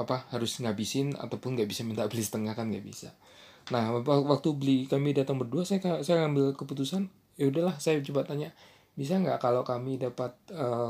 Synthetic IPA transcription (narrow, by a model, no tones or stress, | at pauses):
apahaɾʊsŋabisɪna̰t̪awpʊnŋɡaʔbisamənt̪abəlisə̥t̪əŋahkanŋɡaʔbisa̰ | nahwak̚t̪ubəlikamidat̪aŋbərduasajakasajaŋambɪlkəput̪usan | jaudahlahsajat͡ʃəbat̪ːaɲaʔ | bis̬aŋɡaʔkalakamidapat̪̚ə